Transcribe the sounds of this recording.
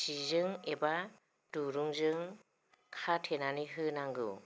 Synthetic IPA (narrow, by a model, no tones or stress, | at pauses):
sizɯŋeba | duɾuŋzɯŋ | kʰatʰenaniɦɯnaŋɡɯ̰